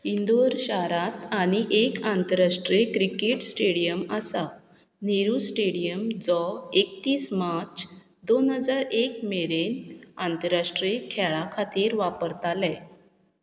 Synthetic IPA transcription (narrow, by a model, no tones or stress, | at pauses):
ind̪oɾɕaɾat̪aɽ̃iʔekãnt̪əɾaʂʈɾikɾikeʈsʈeɽijəməsa | neɾusʈeɽijəmd͡zɔekt̪iːsmat͡ɕ | d̪onɦəd͡zaɾek̚meɾenant̪əɾaʂʈɾikʰɛɭakʰat̪iːɾʋapəɾt̪alɛ̃